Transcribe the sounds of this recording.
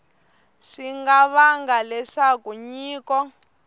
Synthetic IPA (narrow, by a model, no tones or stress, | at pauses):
ʂiŋɡaβaŋɡalɛʂakuɲiːkɔ